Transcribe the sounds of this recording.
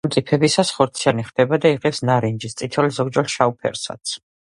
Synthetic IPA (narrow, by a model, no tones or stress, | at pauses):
mt̪ʼipʰɛbisasχɔɾt̪sʰianiχd̪ɛbad̪aiʁɛpsnaɾind͡ʒist̪sʼit̪ʰɛlzɔɡd͡ʒɔlʃaupʰɛ̰ɾsa̰t̪sʰ